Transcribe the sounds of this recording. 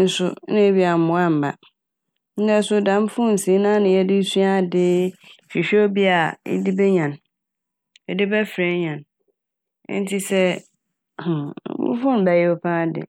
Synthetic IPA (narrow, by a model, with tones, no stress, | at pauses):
n̩˦sʊ̰˦nɪ̃˦bi˦a˨m̩˨ʊ̃˨˦a˦m̩˨ba̰˨ | n̩˦dɛ˦sʊ˦dã˨˦m˦fʊ̃˦n̩˨sĩ˨˦nãː˦nɪ̃˨jɛ˦dɪ˦su˦a˦˨dɪ˦˨fi˨ɕᶣɛ˦o˦bi˦a˨ɪ̰˦di˦bɛ˦ɲã˨n | ɛ˨dɪ˦bɛ˦fɾe˦ɲã˨n˦ | n̩˦tʰi˦sɛ˦˨˦ | bṵ˦fʊ̃˦n˨bæ˨jɛ˦o˦pʰã˦dɪ̰˨